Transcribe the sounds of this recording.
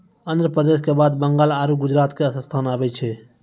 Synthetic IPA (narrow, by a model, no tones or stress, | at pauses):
ə̃nd̪ɾəpɾəd̪eːʃkebaːd̪bəŋɡaːlaːɾuɡʊd͡ʒɾaːt̪keəsəst̪ʰaːnaːʋet͡ʃʰeː